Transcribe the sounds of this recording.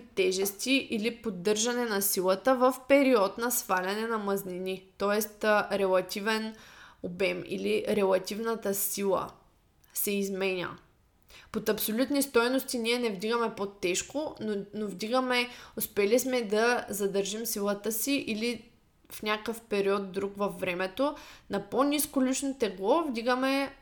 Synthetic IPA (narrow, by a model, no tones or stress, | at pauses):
t̪ːɛʒɛst̪iʔilipod̪ːɤɾʒɐnɛnɐsilˠɐt̪əvəfpɛɾiɔt̪nɐsvalʲɐnɛnɐmɐzninit̪ɔɛst̪ɾɛlˠɐt̪ʲivɛnobɛmḭliɾɛlˠɐt̪ʲivnɐt̪əsilˠə̰ | sɛizmɛnʲə̰ | pot̪ɐpsolʲut̪nist̪ɔjnost̪iniɛnɛvd̪iɡəmɛpot̪ːɛʃkonnovd̪iɡəmɛospɛlismɛd̪ɐzɐd̪əɾʒimsilˠət̪əsiʔili | fnʲakəfpɛɾiɔt̪̚d̪ɾukvɐfːɾɛmɛt̪onɐponʲiskolit͡ʃnot̪ɛɡlˠɔvd̪iɡəmɛ